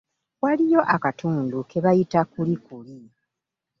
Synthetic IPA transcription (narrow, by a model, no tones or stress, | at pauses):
walijo̞ʔakatʰuːnduke̞βajitakulikuli